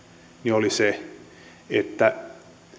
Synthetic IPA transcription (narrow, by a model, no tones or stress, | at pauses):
niolise | et̪ːæ